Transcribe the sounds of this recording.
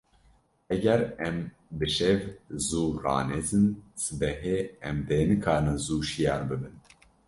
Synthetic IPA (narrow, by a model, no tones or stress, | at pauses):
ɛɡɛɾɛm | bɨʃɛvzuːɾɑ̰ːnezɨnsɨbɛɦeːɛmd̪eːnɨkʰɑːnɨnzuːʃijɑːɾbɨbɨn